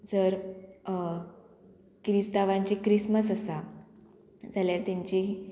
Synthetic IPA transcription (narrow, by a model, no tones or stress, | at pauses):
d͡zəɾ | kɾist̪aʋãɲt͡ɕikɾisməsəsa | d͡zaljaɾt̪jaɲt͡ɕi